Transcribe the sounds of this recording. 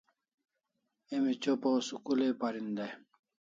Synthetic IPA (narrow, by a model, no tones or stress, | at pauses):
emit͡ɕoposukulepaɾind̪e